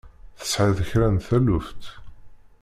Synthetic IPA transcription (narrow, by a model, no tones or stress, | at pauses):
θə̥sʕiðəçɾænθælʊft̪